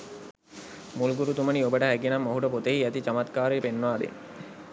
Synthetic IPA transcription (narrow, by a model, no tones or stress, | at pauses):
mulɡuɾut̪uməniobəʈəɦækienamːoɦuɖəpot̪eɦiæt̪it͡ʃamat̪kaːɾepenːəʋaːd̪ḛn